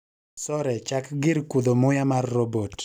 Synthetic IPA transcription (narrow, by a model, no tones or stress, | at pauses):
sɔɾɛt͡ʃakɡɪɾkud̪omʊjamarːobot